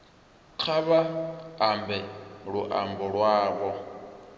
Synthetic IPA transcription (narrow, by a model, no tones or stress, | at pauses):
q͡χʰaβaːmbɛɺuʔa̰mbɔɺwaːβɔ